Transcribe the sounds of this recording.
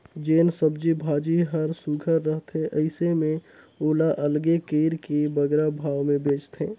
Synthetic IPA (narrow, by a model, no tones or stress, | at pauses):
d͡ʒeːnsəbd͡ʒibʱaːd͡ʒiɦəɾsuɡʱəɾːəɦt̪eʔəɪsemẽ | oːlaʔəlɡekeːɾkebəɡɾabʱaːwmẽbeːt͡ʃt̪ʰẽː